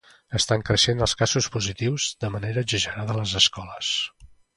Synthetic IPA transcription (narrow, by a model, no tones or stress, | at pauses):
əst̪aŋkɾəʃenəlˠskazuspuzit̪iwzðəməneɾəʒəʒəɾaðələzəskɔləs